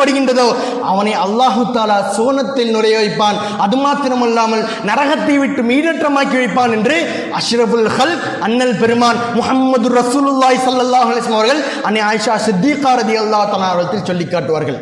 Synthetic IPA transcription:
ɐɽɯɣɪndrɐðoː | ɐ̰ʋɐnɐɪɐlːaːɦɯt̪ːaːlaːsoːnɐt̪ːɪlnɪlɐjɐʋɐɪpːaːn | ɐðɯmaːt̪ːɪnɐmɛlːaːmɐl | nɐɾɐɣɐt̪ːɐɪʋɪʈːɯmiːɽɐʈrɐmaːkːiʋɐɪpːaːnɛndrɯ | ɐʂɾɐfɐlxɐlk | ɐnːɐlpɛɾɯmaːnmʊhɐmːɐd̪ɯrːɐsuːlɯlːaːjsɐlːɐlːaːɦʊɐlɐjsɐmɐʋɐɾɣɐɭ | ɐnːeaːjɪʂaːsɪd̪ːiːqaːɾɐðɪjɐlˠːaːɦʊt̪aːlaːɐɐɽɐt̪ːɪlsɔlːɪkːaːʈːɯʋaːɾɣɐɭ

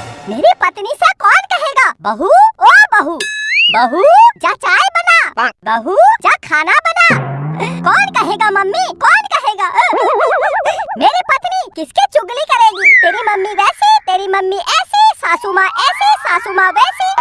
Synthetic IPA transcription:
meːɾipɐt̪nisə̃kɔːnkɐɦeɡabəɦuobəɦubəɦud͡ʒat͡ʃajbənabbəɦud͡ʒakʰaːnabəna | kɔːnkɐɦeɡamɐmːikɔːnkɐɦeɡa | meːɾepɐt̪nikɪsket͡ʃʊɡlikɐɾeɡit̪eːɾiməmːiʋɛset̪eːɾimɐmːiʔɛsesaːsumaʔɛsesaːsumaʋɛsi

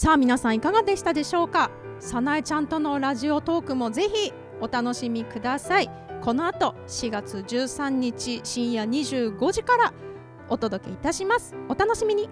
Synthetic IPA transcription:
saːmʲinasãɰ̃ikaɡad̪e̞ɕi̥t̪ad̪e̞ɕo̞ːka | sanait͡ɕãnt̪o̞no̞ɾaʑio̞t̪o̞ːkɯ̟mo̞ze̞çi | o̞t̪ano̞ɕimʲikɯ̟d̪asai | ko̞no̞at̪o̞ | ɕiɡat͡sɨd͡ʑɨːsãɲ̟ːit͡ɕiɕĩɰ̃jaɲ̟iʑɨːɡo̞ʑikaɾa | o̞t̪o̞d̪o̞ke̞̰it̪aɕimasɨ̥o̞t̪ano̞ɕimʲiɲ̟i

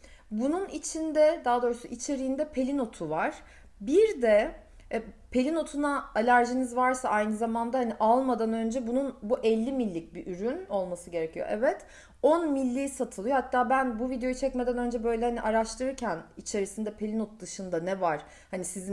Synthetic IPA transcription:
bununit͡ʃʰind̪ɛd̪aɦːd̪o̞ːɾusuʔit͡ʃʰe̞ɾijind̪ɛpʰe̞lʲino̞t̪ʰuvaɾ̥ | biɾd̪ɛ | pʰe̞lʲino̞t̪ʰunaalʲæɾʒinizvaɾsaʔajnɯzamand̪ahaniʔalˠmad̪anø̞nd͡ʒɛbununbuʔɛlʲːimilʲːic̚biʔyɾyno̞lˠmasɯɟe̞ɾecʰijo̞̰ʔɛvɛt̪ | onmilʲːiːsat̪ʰɯlˠjo̞hat̪ʰːaːbænbuvid̪ejo̞jut͡ʃʰɛcme̞d̪ænø̞nd͡ʒɛbø̞jlʲɛhaniʔaɾaʃt̪ˠɯɾɯɾcʰænit͡ʃʰe̞ɾisind̪ɛpʰe̞lʲinot̪̚d̪ɯʃɯnd̪anɛvaɾ̥ | hanisizi

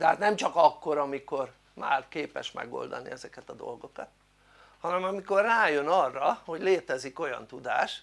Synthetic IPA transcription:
t̪ɛɦaːt̪nɛmt͡ʃɒkɒkːo̞ɾɒmiko̞r | ma̰ːrkeːpɛ̰ʃmɛ̰ɡo̞̰ld̪ɒ̰nḭɛzɛkɛt̪ɒd̪o̞̰lɡo̞kɒt̪ | hɒnɛmɒmiko̞rːaːjø̞nɒrːɒho̞ɟleːt̪ɛziko̞jɒ̰nt̪ud̪a̰ːʃ

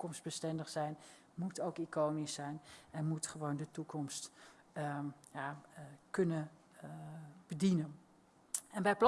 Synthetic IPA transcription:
kɔmsd̚bəstɛndəχsɛjn | mutʰowkikoːnisɛjnɛnmutχəʋowndətukʰɔmst | jakɵnə | b̥ədinən | ɛnbɛjpl

